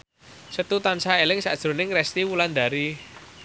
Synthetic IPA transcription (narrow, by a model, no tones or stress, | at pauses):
sət̪ut̪ansaelɪŋsa̰d̥ʒ̥ɾo̤nɪŋrɛst̪iwuland̪a̤ɾi